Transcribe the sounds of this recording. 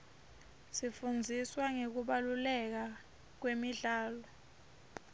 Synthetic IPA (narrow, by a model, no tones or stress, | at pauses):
sifund͡zʱiswaŋek̬uɓalulɛk̬a | k̬wemiɮaːlɔ